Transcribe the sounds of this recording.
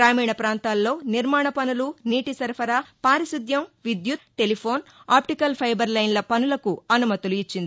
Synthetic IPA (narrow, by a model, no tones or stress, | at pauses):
ɾaːmijɳɐpɾaːnt̪aːlːo̞ːniɾmaːɳɐpɐnuluniːʈisɐɾpʰɐɾapaːɾisud̪ʱjɐmʋid̪jut̪ʈe̞lipʰo̞ːnaːpʈikɐlpʰɐjbɐɾlɐjnlɐpɐnulɐkuɐnumɐt̪uluit͡ʃːind̪i